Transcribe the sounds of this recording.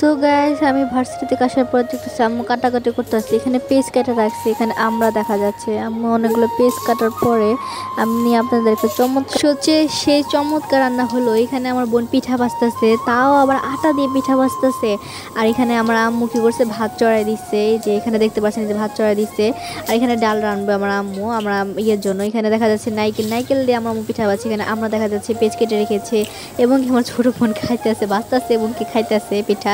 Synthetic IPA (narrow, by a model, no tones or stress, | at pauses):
t̪oɡasamibʱaɾsḁʈit̪ekaʃaɾpɔɾed̪ek̚t̪at͡ɕʰamukaʈːakaʈikoɾt̪easiekʰanepeskaʈeɾakt͡ɕʰiekʰaneʔamɾad̪ɛkʰad͡ʑatːɕʰeamɔnekɡulopeskaʈaɾpɔɾe | amniapnaɾd̪eɾket͡ɕɔmːot̪kʃotːɕʰeʃet͡ɕɔmːot̪kaɾanːaɦoloekʰaneamaɾbonpiʈʰabast̪at͡ɕʰet̪aoabaɾʔaʈad̪iep̬iʈʰabast̪at͡ɕʰe | aɾekʰaneamaɾamːukikoɾsʰebʱat̪̚t͡ɕɔɾaed̪isʰed͡ʑeekʰaned̪ek̚ʰt̪epaɾt͡ɕʰenid͡ʑebʱat̪̚t͡ʃɔɾajd̪iseaɾekʰaneɖalɾanbeamaɾamːuamɾaieɾd͡ʑonːoekʰaned̪ɛkʰad͡ʑatːɕʰinajkenajkeld̪eamaɾamːopiʈʰabaːt͡ɕʰiekʰaneʔamɾad̪ɛkʰad͡ʑatːt͡ɕʰipet͡ɕkeʈ̬eɾekʰet͡ɕʰe | eboŋkeamaɾt͡ɕʰoʈobonkʰajt̪easebast̪aseeboŋkikʰajt̪easepiʈʰa